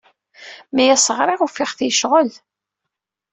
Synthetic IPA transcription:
mæjæsəʁɾˤɪʁufɪχθjəʃʁəl

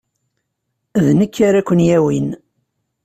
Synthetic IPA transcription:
ðnəkːaɾækʷːənjæwin

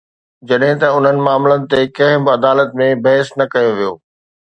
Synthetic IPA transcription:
d͡ʑɐɗɦɪ̃t̪ɐʊn̤ənɪ̆maːmlənɪ̆t̪ekɐ̃ɦɪ̃bɪɐd̪aːlət̪mẽbɐɦɪsnɐkɐjoʋijo̰ː

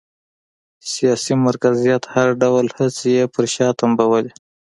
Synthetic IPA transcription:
sijɑsimaɾkazijat̪haɾɖawlhət͡sjepəɾʃɑt̪ambawəli

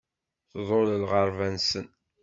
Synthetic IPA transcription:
θðˤoləlʁəɾˤvænsən

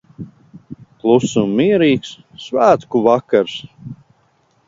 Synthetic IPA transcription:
klˠusumːiɛɾiːksː | væːt̪kuvakaɾs

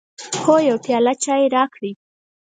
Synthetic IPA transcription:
xojawpjɑlat͡ʃɑjeɾɑkɽi

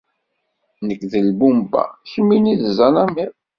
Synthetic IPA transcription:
nəkːðəlbumba̰çəmːiniðəzænæmiɾ

